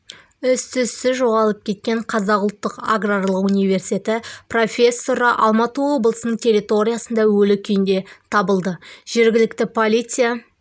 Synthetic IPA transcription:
ʏst̪ʰʏsːɪʒo̞ʁɑlˠəp̚kʲʰe̞t̪̚kʲe̞ɴqʰɑzɑqʊlˠt̪ːəqa̰ɡrarlˠəqunijvʲe̞rsi̥t̪ʲet̪ɪpro̞fʲe̞sːo̞ɾəʔɑ̰lˠmɑt̪uo̞blˠəsnəɴt̪ʲʰerʲit̪o̞ɾʲijasənd̪ɑwɵlɪkʲʰʏjɪnd̪e̞t̪ʰɑbəlˠd̪əʒ̥e̞ɾɡʲɪlɪkt̪ɪpʰolʲit̪sɨja

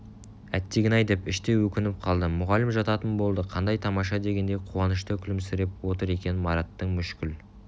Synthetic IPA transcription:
æt̪ːeɡʲɪnɑjd̪epɪʃt̪e̞wɵkʲɪnɪp̚qʰɑlˠd̪əmʊʁɑlɪmʒɑt̪ɑt̪ənbo̞lˠd̪əqʰɑnd̪ɑjt̪ʰɑmɑʃ̬ɑd̪e̞ɡʲe̞nd̪ejqʰuwɑnəʃt̪əkʲʰɪlɪmsɪɾep̚wo̞t̪əɾe̞kʲe̞nɪnmɑɾɑt̪ːəɴmʏʃkʲɪl

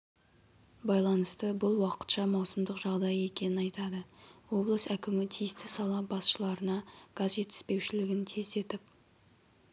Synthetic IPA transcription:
bɑjlˠɑnəst̪əbʊlˠwɑqə̥t̪ʃɑmɑwsəmd̪əqʒɑʁd̪ɑje̞kʲe̞nɪnɑjt̪ɑd̪əwo̞blˠəsækʲɪmɪt̪ʰijɪst̪ɪsɑlˠɑbɑsʃəlˠɑɾənɑɡ̥azʒe̞t̪ːɪ̥spe̞wʃɪlɪɡʲɪnt̪ʲʰezd̪e̞t̪ɪp̚

